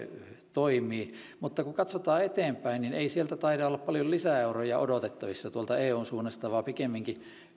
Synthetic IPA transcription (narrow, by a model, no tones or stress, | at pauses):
t̪oimˑiː | mut̪ːɑkukɑt̪sot̪ɑːet̪eːmpæinnineisielt̪æt̪ɑitɑolːɑppɑljollisæeurojɑʔo̰dot̪et̪ːɑʋisːɑt̪uolt̪ɑeːuːnsuːnːest̪ɑʋɑːpikemːiŋki